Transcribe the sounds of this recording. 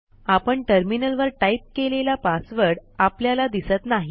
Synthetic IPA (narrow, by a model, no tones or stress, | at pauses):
apəɳʈəɾminəlʋəɾʈaip̚kelelapasʋəɾɽapljalad̪isət̪naɦi